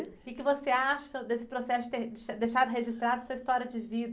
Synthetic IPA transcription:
ɪkɪvoseaʃɐd̪esɪ̥pɾosɛsʊd͡ʒɪt̪eɾd̪ʃad̪ejʃad̪ʊɦeʒist̪ɾad̪ʊɐsuɐist̪ɔɾʲiɐd͡ʒɪvid̪ɐ

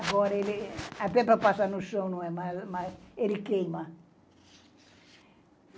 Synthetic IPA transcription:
aɡɔɾɐelɪɐpɛpɾɐpasanʊʃõw̃nɐ̃w̃ɛmazmazelɪkejmɐ

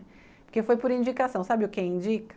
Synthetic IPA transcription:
pʊɾkefojpʊɾĩd͡ʒikasɐ̃w̃sabɪʊkɪĩd͡ʒikɐ̥

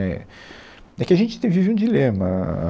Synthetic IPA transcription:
ɛ | ɛkɪɐʒẽnt͡ʃɪt̪ẽj̃viveɪũd͡ʒilẽmɐ

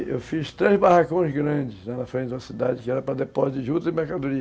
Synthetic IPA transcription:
ewfist̪ɾezbahakõj̃zɡɾɐ̃d͡ʒɪzlanɐfɾẽtt͡ʃɪd̪ũɐsid̪ad͡ʒɪkɪɛɾɐpɾɐd̪epɔzd̪ɪʒud̪ɐɪmeɾkad̪ʊɾiɐ

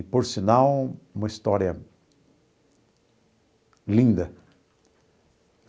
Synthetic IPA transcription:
poɾsinãwũmɐist̪ɔɾjɐ | lĩnd̪ɐ

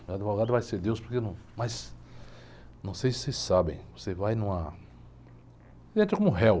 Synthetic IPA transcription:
ad͡ʒ̪ivoɡad̪ʊvajseɾd̪ewspoɾkenɐ̃w̃mas | nɐ̃w̃sejsɪ̥sejssabḛ̃j̃vosevajnũɐ | ʒẽnt͡ʃ̪ɪkõmʊ̃ɦɛw

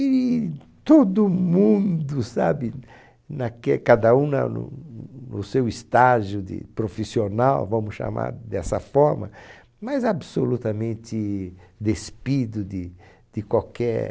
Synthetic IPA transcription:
i | t̪od̪ʊmũnd̪ʊsabɪ | nɐkɛkad̪ɐũnɐ̰nʊ̰nʊsewist̪aʒʊd̪ɪ̰pɾofisionawvɐ̃mʊsʃa̰ma̰ɾd̪ɛsɐfɔɾmɐ̰ | mɐzabsolut̪ɐmẽnt̪ɪd̪espid̪ʊd̪ɪ | d̪̥ɪkwawkɛɾ

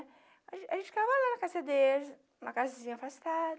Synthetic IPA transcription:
ãaʒẽnt͡ʃɪ̥kavalanɐkazed̪el | ũmɐkazɐzĩɲɐfast̪ad̪

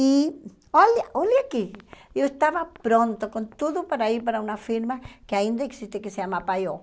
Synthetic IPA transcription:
i | oljaoljakijoest̪aβapɾont̪okont̪uðopaɾaiɾpaɾaunafiɾmakeaind̪eːksist̪ekeseamapajo

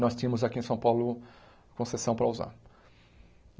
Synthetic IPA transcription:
nɔst̪ĩɐ̃mʊzakiẽsɐ̃w̃pawlʊ | kõsesɐ̃w̃pɾɐuza̰ɾ

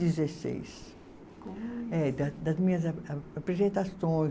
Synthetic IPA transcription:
izesḛjs | ɛd̪ɐd̪ɐzmĩɲɐzapɾezẽnt̪asõj̃

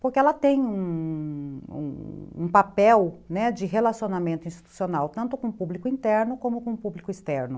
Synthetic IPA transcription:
poɾkɪɛlɐt̪ẽj̃ũ | ṵ̃ṵ̃papɛwnɛd͡ʒɪɦelasionamẽnt̪ʊĩst͡ʃi̥t̪u̥sionawt̪ɐ̃nt̪ʊkõpublikʊĩnt̪ɛɾnʊkõmʊkõpublikʊist̪ɛɾnʊ

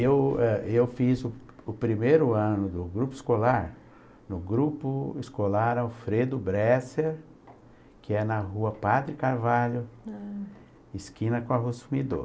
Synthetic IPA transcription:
ewɛewfizʊʊpɾimejɾʊɐ̃nʊd̪ʊɡɾupʊɪskolaɾ | nʊɡɾupʊiskolaɾɐwfɾed̪ʊbɾɛseɾ | kɪɛnɐɦuɐpad̪ɾɪkaɾvaʎʊ | ɪskĩnɐkõaɦosumid̪o̰

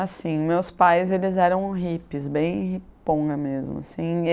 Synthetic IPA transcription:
asĩmewspajzelɪzɛɾɐ̃w̃ɦipɪzbẽj̃hipõɡɐmezmʊ̰asĩ

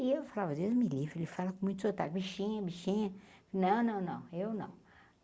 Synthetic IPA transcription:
iewfalavɐd̪ewzmilivɾʊelɪfalɐkõmũj̃t̪sot̪a̰ɡbiʃĩɲɐbiʃĩɲɐnɐ̃w̃nɐ̃w̃nɐ̃w̃ewnɐ̰̃w̃

